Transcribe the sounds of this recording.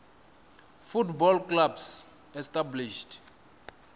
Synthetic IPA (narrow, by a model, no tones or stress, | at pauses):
futbɔlklabs | ɛstʼabliʃt